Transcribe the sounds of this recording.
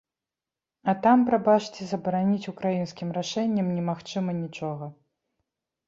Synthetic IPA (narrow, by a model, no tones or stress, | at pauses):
ɐt̪ampɾabat͡ʂt͡sʲɛzɐbɐɾanʲit͡sʲukɾajinskʲimraʂɛnʲːɐmnʲɛmaxt͡ʂɨmɐnʲit͡ʂɔɣɐ